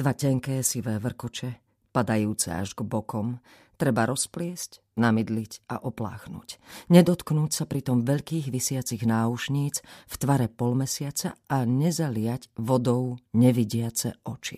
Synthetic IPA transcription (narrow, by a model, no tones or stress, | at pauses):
d̪̥ʋacɛŋkɛːsiʋɛːʋr̩kɔt͡ʃɛ | pad̪ajuːt͡sɛ̰a̰ʒɡbɔkɔm | t̪ɾɛbaɾɔsplɪɛsc | namid̪licʔa̰ʔɔpla̰ːxnṵcɲɛd̪ɔt̪knuːcsapɾit̪ɔmʋɛʎkiːɣʋisɪat͡siɣnaːuʃɲiːt͡sft̪ʋaɾɛpɔlmɛsɪat͡sa̰aɲɛzalɪaɟʋɔd̪ɔʊɲɛʋiɟɪat͡sɛ̰ɔt͡ʃḭ